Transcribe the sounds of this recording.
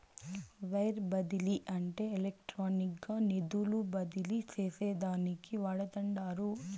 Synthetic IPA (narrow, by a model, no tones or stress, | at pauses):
ʋɐjɾbɐd̪iliʔɐɳʈeːlek̚ʈɾaːnikɐnid̪ulubɐd̪iliseːseːd̪aːnikiʋaːɭɐt̪ɐɳɖaːɾu